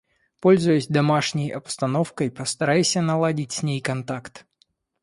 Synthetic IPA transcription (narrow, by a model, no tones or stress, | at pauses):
po̞lʲzʊjʊsʲd̪ɐmaʂnʲəjɐpst̪ɐnofkəjpəst̪ɐɾajʊsʲənɐlˠadʲɪtʲsʲnʲejkɐnt̪akt̪